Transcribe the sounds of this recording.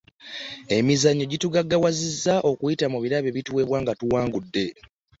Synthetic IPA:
e̞mizaɲːo̞ɟituɡaɡːawazizːaʔo̞kujitamuβiɾaβe̞βituwe̞ːβwaːŋɡatuwaːŋɡudːe̞

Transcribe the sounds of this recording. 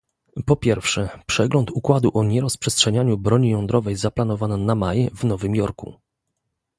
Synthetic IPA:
pɔpʲjɛɾfʂɛpʂɛɡlɔnt̪ukwad̪uʔɔɲɛɾɔspʂɛstʂɛɲaɲubɾɔɲijɔ̃nd̪ɾɔvɛjzaplan̪ɔvanɛnamajɛvnɔvɘmjɔɾkṵ

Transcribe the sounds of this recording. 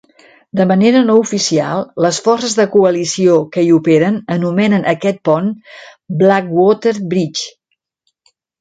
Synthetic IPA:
d̪əməneɾənoufisia̰lˠləsfɔrsəzðəkuəlisiokəiupeɾənənumɛnənʔəkɛt̪̚pɔnblak̚wɔt̪əɾbɾit͡ʃ

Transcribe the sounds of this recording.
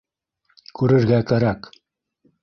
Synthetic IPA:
kʉɾɘ̆ɾɣækæɾak

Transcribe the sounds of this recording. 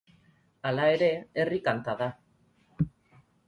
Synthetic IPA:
alae̞ɾe̞ːrikant̪aða

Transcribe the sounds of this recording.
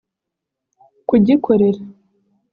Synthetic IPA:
kuɟikʰoɾeɾa

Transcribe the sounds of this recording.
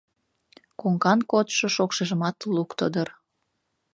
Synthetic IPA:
koŋkɑnkot̪ʃoʃokʃeʒəmɑt̪lukt̪əd̪ər

